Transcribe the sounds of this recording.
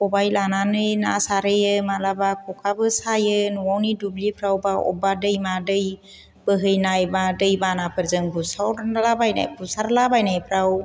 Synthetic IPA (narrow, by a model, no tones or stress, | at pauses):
ɔbajlananɯjna̰saɾɯjɯmalabakʰɔkʰabɯsajɯnuwawnidublipʰɾawbaɔ̰badɯjmadɯj | b̥əɦɯjnajbadɯjbanapʰɯɾzɯŋbusawɾlabajna̰jbʰusaɾlabajnajpʰɾaw